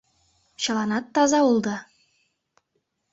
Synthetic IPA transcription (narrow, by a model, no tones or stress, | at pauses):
ɕɤ̆lˠɑnɑt̪ːɑzɑulˠd̪ɑ